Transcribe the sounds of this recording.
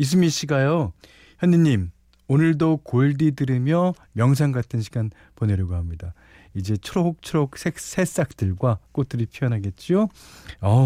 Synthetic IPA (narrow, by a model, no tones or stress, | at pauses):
is̬ʰɯmiɕ͈ʰiɡajo | çjʌniɲim | onɯɭdokoiɭdidɯɾimjʌ | mjʌŋs̬ʰaŋɡatʰɯnɕʰiɡan | poneɾjoɡoɦamɲida | id͡ʑe̞t͡ɕʰuɾook̚t͡ɕʰuɾook̚sʰek̚sʰe̞s͈ak̚t͈ɯɭɡwak͈ot̚t͈ɯɾipʰiʌnɦaɡe̞t̚t͡ɕ͈ioʌ